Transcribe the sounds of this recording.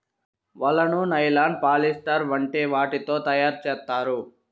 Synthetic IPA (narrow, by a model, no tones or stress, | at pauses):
ʋɐlːɐnunɐjlaːɳɖ̚paːlisʈɐɾʋɐɳʈeːʋaːʈit̪o̞ːt̪ɐjaːɾt͡ʃɛːt̪ːaːɾu